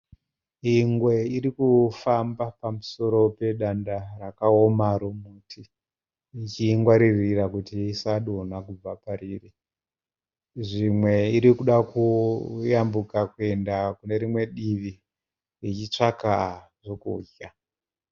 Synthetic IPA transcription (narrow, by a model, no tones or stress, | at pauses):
iŋɡwe̞iɾikufambapamuso̞ɾo̞pe̞ɗandarakaomaɾomutʰiː | t͡ʃiːŋɡwaɾiriɾakutiisaɗonakub͡vapaɾiri | ʐimwe̞iɾikuɗakujambukakue̞ndakune̞ɾimwe̞ɗiʋi | rit͡ʃit͡ʂakaʐokṵːɟa